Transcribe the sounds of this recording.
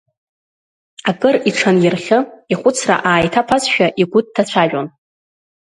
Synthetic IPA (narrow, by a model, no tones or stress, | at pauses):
akʼɨriʈ͡ʂʰanjɪrχʲɨiχʷʊt͡sʰra̰ʔaːjtʰapʰazʃᶣaʔiɡʷʊd̚ːʰat͡ɕʷʰaʒᶣon